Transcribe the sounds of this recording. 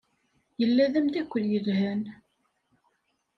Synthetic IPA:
jəlːæðæmd̪ækʷːəðjəðhæn

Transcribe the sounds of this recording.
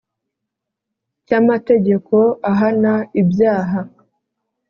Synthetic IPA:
camate̞ɟe̞ko̞aɦanaibjaːɦa

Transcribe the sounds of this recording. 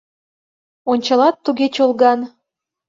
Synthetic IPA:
onʲt͡ɕɑlɑt̪ːuɣet͡ɕolɣɑn

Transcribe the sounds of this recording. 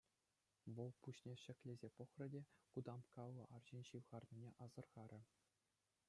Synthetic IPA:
ʋɤ̆lˠpuɕnʲeɕɘ̆kʲlʲezʲepŏχrɤ̆dʲekud̪ɑmkɑllːɤ̆ʔɑrʑinʲɕiʋʁɑrnʲinʲeʔɑzɤ̆rʁɑɾʲɘ̆

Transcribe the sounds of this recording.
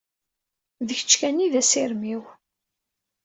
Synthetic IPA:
ðəçə̥t͡ʃːkæniðæsɪɾmiw

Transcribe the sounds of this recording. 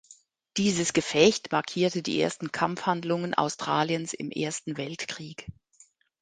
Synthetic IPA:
d̥iːzəsɡ̥əfɛçtmaɐkʰiːɐtədḭːʔḛːɐstn̩kʰamfhandlʊŋənʔa̰ʊstʁ̥aːljənsɪ̰mʔḛːɐstn̩vɛltkʁ̥iːk

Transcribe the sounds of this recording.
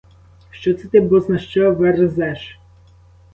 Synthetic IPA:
ʃt͡ʃɔt̪sɛt̪ɪbusnɐʃt͡ʃɔʋɛrɪzɛʃ

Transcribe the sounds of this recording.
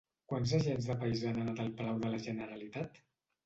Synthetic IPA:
kwanzəʒenzðəpəizanənat̪əlˠpəlawðələʒənəɾəlit̪at̪

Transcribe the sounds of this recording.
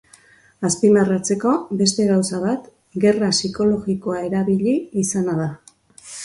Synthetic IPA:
aspimarat͡se̞ko̞be̞st̪e̞ɣawsaβ̞at̪ | ɡe̞rasiko̞lo̞ɣiko̞ae̞ɾaβiʎiːsanaða

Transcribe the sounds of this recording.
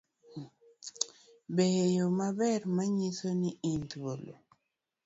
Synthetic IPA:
bejomabɛɾmaɲisoniintwolo̰

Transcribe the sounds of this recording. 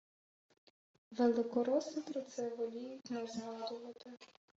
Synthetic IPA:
ʋelˠɪkɔɾɔsɪt̪ɾɔt̪sɛʋɔlʲijixnɛzɦɑd̪ʊʋɐt̪ɪ

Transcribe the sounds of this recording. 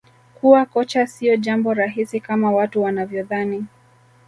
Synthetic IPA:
kuwakɔt͡ʃasiɔʄambɔɾaɦisikamawatuwanavjɔðani

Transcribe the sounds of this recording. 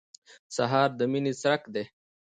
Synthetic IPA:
sɐɦaːɾd̪əminisɐɾɐkd̪e

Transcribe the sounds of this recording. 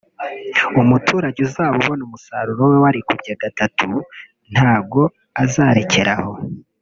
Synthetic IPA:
umutʰuːɾaɟuzaːββo̞numusaɾuɾo̞wewaɾikubɟaɡatatʰu | n̥haːbɡo̞ | azaːɾe̞ce̞ɾaho̞

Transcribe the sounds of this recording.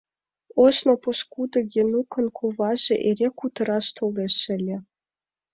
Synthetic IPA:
oʃnŏpɤ̆ʃkud̪ɤ̆ɡʲenukʰɤ̆nkʰovɑʒĕʔerʲekut̪ɤ̆ɾɑʃt̪olˠeʃɘ̆lʲĕ

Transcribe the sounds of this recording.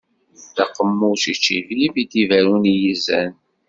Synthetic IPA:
θæqəmːusit͡ʃːivlivid̪ivæɾunjizæ̰n

